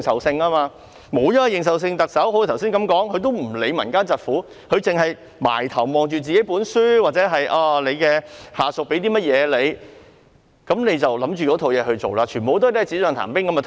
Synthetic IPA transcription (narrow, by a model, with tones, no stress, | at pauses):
ŋsɐ˨wsɪ˧ŋaː˥maː˧ | mo˨˧jɐ˥˧jɪ˨ŋs̬ɐ˨ws̬ɪ˧ŋt̪ɐ˨k̚sɐ˨˥who˨˥˨t̪ʰwsiː˥nkɐ˨˥mkɔː˨˥ŋhɵ˨˧t̪̬o˥wm̩˨˩le˨˧jmɐ̰˨˩nkaː˥nt͡sɐ˨t̚fuː˨˥ | hɵ˨˧t͡sɪ˨ŋɦɐ˨j | ma̰ː˨˩jt̪ʰɐ˨˩wmɔː˨ŋt͡ʃyː˨t͡siː˨ke˨˥jpuː˨˥nsyː˥waː˨t̚t͡sɛː˨˥ɦɐ˨jʔaː˧le˨˧jkɛː˧haː˨˩sʊ˨k̚pe˨˧˥jt̪iː˥mɐ˥t̚jɛː˨˧le˨˧j | kɐ˨˥mne˨˧jt͡sɐ˨wlɐ˨˥mt͡ʃyː˨kɔː˨˥t̪ʰo˨˧wjɛː˨˧hɵ˧t͡so̰˨wlaː˧t͡ʃʰyː˨˩npo˨˧wt̪o˥˨jt̪ːt͡siː˨˥sœː˨˧ŋt̪ʰa̰˨˩mpɪ˥ŋkɐ˧˥ma˧t̪